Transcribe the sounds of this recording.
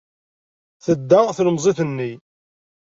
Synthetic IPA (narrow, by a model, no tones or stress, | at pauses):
θəd̪ːæθləmzˤiθənːi